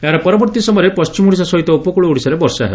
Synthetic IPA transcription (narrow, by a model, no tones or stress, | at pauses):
eɦaɾɔpɔɾɔbɔɾt̪isɔmɔɾepɔst͡ʃimuɽis̬ɔsɔɦit̪ɔupɔkuɭuuɽisaɾebɔɾsa̰ɦḛb